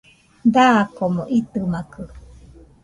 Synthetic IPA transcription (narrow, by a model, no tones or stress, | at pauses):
d̪akomõʔit̪ɯmakɯ